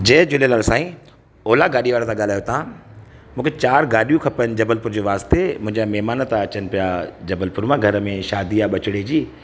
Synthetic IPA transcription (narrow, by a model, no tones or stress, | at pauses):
d͡ʑeːd͡ʑʊlelaːɾsãːĩ | oːlaɡaːɗiʋaːɾet̪ʰãɠaːl̤aːjot̪ʰãmũːkʰet͡ɕaːɾɡaːɗijũkʰɐpəənɪd͡ʑɐbəlpʊɾd͡ʑoːʋaːst̪emʊ̃ɦɪ̃ɲd͡ʑamɛɦmaːnət̪ãɐt͡ɕənɪ̆pijad͡ʑɐbəlpʊɾmãɡʱɐɾəmẽʃaːd̪iaɓɐt͡ɕɪɽed͡ʑiː